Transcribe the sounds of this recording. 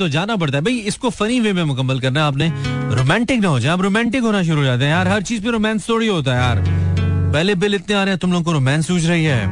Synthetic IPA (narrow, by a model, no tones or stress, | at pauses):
t̪od͡ʒaːnap̬ɐɽt̪aɦɛbʱɐiɪskofɐniʋemẽmʊkəmːəlkɐɾnaaːp̬nẽɾo̰ːmɛ̃ːɳʈɪknɐɦoːd͡ʒaːẽaːp̬ɾoːmɛ̃ːɳʈɪkɦoːnaʃ̬ʊɾuɦod͡ʒaːt̪̬eɦɛ̃jaːɾɦɐɾt͡ʃiːzpẽɾoːmɛ̃ːnst̪oːɽiɦoːt̪̬aɦɛjaːɾpɛːlebɪlɪt̪nẽaːɾeɦɛ̃t̪ʊmloːɡõkoɾoːmɛ̃ːnsuːt͡ʃʰɾɐɦiɦɛː